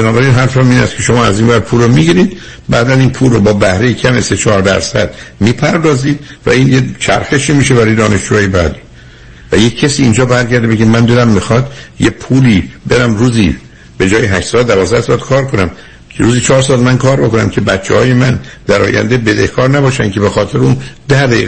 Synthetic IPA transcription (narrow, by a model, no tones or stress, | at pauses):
benɒːbæɾinɦæɾfmiːnæst̪cʰe̞ʃo̞mɒːæziːnvæɾ̚pʰuːlomiɟiɾiːd̪ | bæːd̪æniːnpʰuːlːobɒːbæhɾe̞jecʰæmese̞t͡ʃʰɒːɾd̪æ̰ɾsæ̰d̪̥miːpʰæɾd̪ɒːziːd̪̥væ̰iːnjet͡ʃʰæ̰ɾxeʃiːmiːʃebæɾɒːjed̪ɒːne̞ʃd͡ʒuːɒːjebæd̪i | væjecʰːæsiːnd͡ʒɒːbæɾɟæɾd̪ebeɡɟemænd̪id̪æmːixɒːd̪jepʰuːliːbe̞ɾæmruːzi | be̞d͡ʒɒːjeɦæʃt̪sɒːld̪ævɒːzd̪æhsɒd̪̥kʰɒːɾkʰo̞næm | kʰeɾuːziːt͡ʃʰɒːɾs̬ɒːlmænkʰɒːɾbo̞ko̞næ̰mcʰe̞bæt͡ʃʰːḛhɒːje̞mænd̪̥æɾɒ̰ːjæ̰nd̪e̞be̞d̪ehkʰɒːɾnæbɒːʃæncʰe̞be̞xɒːt̪ʰe̞ɾeuːnd̪̥æhd̪æiːɣ